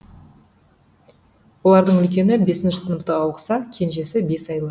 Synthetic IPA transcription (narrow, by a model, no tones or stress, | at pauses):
wo̞lˠɑɾd̪əɴʏlkʲe̞nɪbe̞sɪnʃɪ̥sənəp̚t̪əɑwqə̥sɑkʲʰe̞nʒe̞sɪbe̞sɑjlˠə